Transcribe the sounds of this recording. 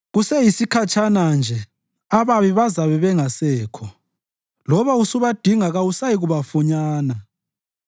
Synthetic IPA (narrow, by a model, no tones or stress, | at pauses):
ɣusɛjisikʰat͡ʃʰʼanand͡ʒʱɛ | aβaβiβazaβɛβɛŋasɛːkʰɔ | lɔβausuβad̥ʱiŋaɣausajiɣuβafuɲaːna